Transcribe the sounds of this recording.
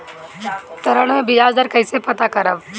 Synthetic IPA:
t̪ɐɾəɽ̃ẽbɪjaːzd̪ɐɾkɐɪsepɐt̪akɐɾəb

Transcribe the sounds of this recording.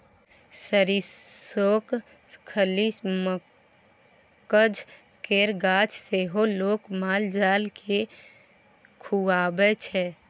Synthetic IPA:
səɾisok | kʰəlismə | kəd͡ʒ | keɾɡat͡ʃʰseɦolokmald͡ʒalkʰe | kʰuabɛt͡ʃʰɛ

